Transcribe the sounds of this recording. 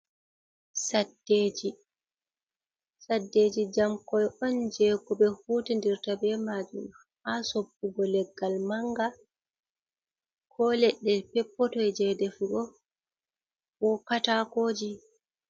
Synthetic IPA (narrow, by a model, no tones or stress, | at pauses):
sadːeːd͡ʒi | sadːeːd͡ʒid͡ʒamkɔjɔnd͡ʒɛɡɔbɛhuːtindiɾtabɛmad͡ʒum | asobːuɡɔlɛɡːalmaŋɡa | kʰɔlɛɗːɛpɛpːɔtɔjd͡ʒɛdɛfuɡɔ | wɔkatakoːd͡ʒi